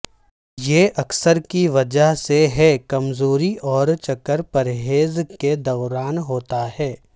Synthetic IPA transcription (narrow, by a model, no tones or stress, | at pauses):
jeʔɐksəɾkiʋɐd͡ʒəɦseɦɛkɐmzoːɾiʔɔːɾt͡ʃɐkːəɾpɐɾɦeːzked̪ɐʋɾaːnɦoːt̪aɦɛː